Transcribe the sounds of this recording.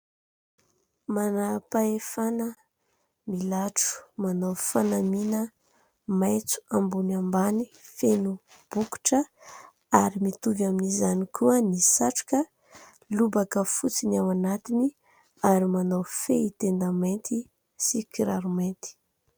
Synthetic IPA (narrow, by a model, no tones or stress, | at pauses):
manapaefanə | milaʈ͡ʂu̥manawfanaminə | majt͡su̥ambunambanifenu | b̥uku̥ʈ͡ʂə | aɾimit̪uvjaminizanikʰuənisaʈ͡ʂu̥kə | lubakəfut͡sinawanat̪ini | aɾimanawfeit̪end̪ament̪i | sikiɾaɾument̪i̥